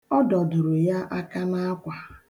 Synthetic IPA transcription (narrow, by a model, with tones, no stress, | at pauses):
ɔ˦dɔ˨dʊ˨ɾʊ˨ja˦ʔa˦ka˦na˦a˦kʷa˨